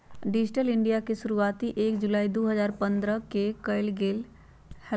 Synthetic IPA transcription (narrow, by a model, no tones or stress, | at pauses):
ɖɪd͡ʒʈəlɪ̃ɳɖijakeʃʊɾuaːt̪iʔeːkd͡ʒʊlaːid̪oːɦəzaːɾpə̃nd̪ɾəkekəɪlɡeːl | hɛ